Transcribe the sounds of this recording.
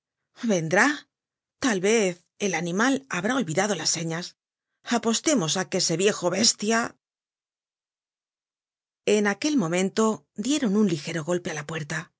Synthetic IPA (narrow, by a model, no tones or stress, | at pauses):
βe̞nd̪ɾa | t̪alβe̞θ | e̞lanĩmalaβɾao̞lβiðaðo̞lasːe̞ɲas | apo̞st̪e̞mo̞sakese̞βje̞xo̞βe̞st̪ja | e̞nake̞lmõ̞mẽ̞nt̪o̞ | d̪je̞ɾo̞nunlixe̞ɾo̞ɣo̞lpe̞alapwe̞ɾt̪a